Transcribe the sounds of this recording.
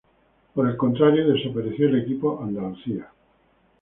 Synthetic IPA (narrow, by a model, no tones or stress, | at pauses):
poɾe̞lkont̪ɾaɾjoðe̞sopeɾeθjoele̞kipoʔand̪aluθia